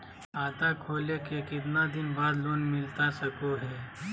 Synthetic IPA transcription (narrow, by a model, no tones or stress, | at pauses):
aːt̪akʰoːlekekɪd̪nad̪ɪnbaːd̪loːnmɪlt̪asɐkoɦɛː